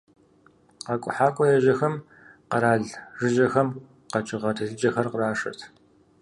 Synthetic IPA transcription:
qɑkʷʼʊ̰ħaːkʷʼɔjɐʒɐxɐm | qɐɾaːɮʒɨʒɐxɐm | qɐt͡ʃʼɪʁɐtʰɨɮɨd͡ʒʼɐxɐrqəraːʂɐ̰tʰ

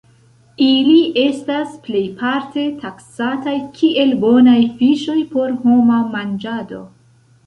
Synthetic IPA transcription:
iliʔe̞stasple̞jpʰaɾte̞tʰaksatajkʰiʔe̞lbo̞najfiʃo̞jpo̞ɾɦo̞mamand͡ʒado̞

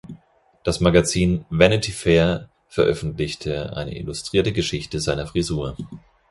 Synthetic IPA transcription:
d̥asmaɡat͡siːnvɛnɪtʰifɛːɐ | fɛɐʔœfn̩tlɪçtʰəʔa̰ɪnə̰ʔɪ̰lustʁ̥iːɐtəɡəʃɪçtəzaɪnɐfʁ̥izuːɐ

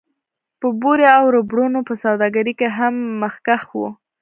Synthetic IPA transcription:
pəbuɾeawɾəbɽunopəsawd̪ɑɡaɾikeɦamːəxkaxwṵ

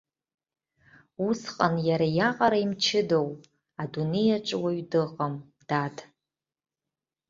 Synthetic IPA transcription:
usqʼanjaɾajaqʼaɾaimt͡ʃʰɪdowp | adune̞jaʈ͡ʂʼwaɥdɨqʼam | d̥adʼ

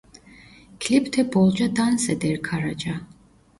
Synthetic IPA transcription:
kʰlipʰt̪ʰɛbɔlˠd͡ʒad̪ansɛd̪ɛɾkʰaɾad͡ʒa

